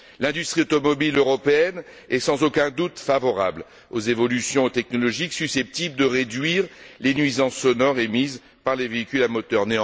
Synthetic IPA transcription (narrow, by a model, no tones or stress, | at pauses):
lɛ̃d̪yst̪χiot̪ɔmɔbiløʁɔpeɛn | ɛsɑ̃zokʲɛ̃d̪ut̪favɔʁa̰bl | ozevɔlysjɔ̃t̪ɛknɔlɔʒiksysɛp̚t̪ibld̪əʁed̪ɥiʁlenɥizɑ̃ssɔnɔʁemiz | paʁleveikʲylamɔt̪œʁnẽ